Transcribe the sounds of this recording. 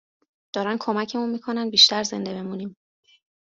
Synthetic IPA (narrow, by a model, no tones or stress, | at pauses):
d̪̥ɒːɾænd̪kʰo̞mæcʰe̞munmiːkʰo̞nænd̪biːʃt̪ʰæɾze̞̰nd̪e̞be̞muːnim